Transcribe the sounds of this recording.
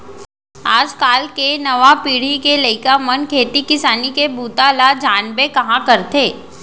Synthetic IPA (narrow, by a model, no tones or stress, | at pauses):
aːd͡ʒkaːlkenɐʋapiːɽ̤ikeləɪkamɐnkʰeːt̪ikɪsaːnikebuːt̪alad͡ʒaːnbekɐɦãkɐɾt̪eː